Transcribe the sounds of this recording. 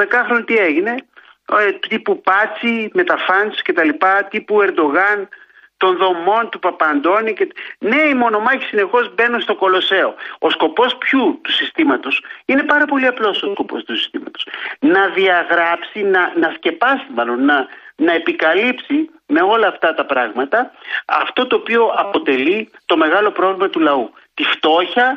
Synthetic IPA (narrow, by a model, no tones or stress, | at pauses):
ðekɐxɾonit̪ie̞ʝine̞ | t̪ipupɐt͡sime̞t̪ɐfɐnssce̞t̪ɐlipɐt̪ipue̞ɾd̪o̞ɣɐn | t̪o̞nðo̞mo̞nt̪upɐpɐnd̪o̞nicene̞imo̞no̞mɐçi̥sine̞xo̞zbe̞nunst̪o̞ko̞lo̞se̞o̞osko̞po̞spçut̪usist̪imɐt̪o̞sine̞pɐɾɐpo̞liɐplo̞sosko̞po̞̰st̪usi̥st̪imɐt̪o̞̥snɐðiɐɣɾɐpsinɐnɐsce̞pɐsimɐlo̞nːɐnɐe̞pikɐlipsi | me̞o̞lɐːft̪ɐt̪ɐpɾɐɣmɐt̪ɐɐ̰ft̪o̞t̪o̞ːpio̞ʔɐpo̞t̪e̞lit̪o̞me̞ɣɐlo̞pɾo̞vlimɐt̪ulɐu | t̪ift̪o̞çɐ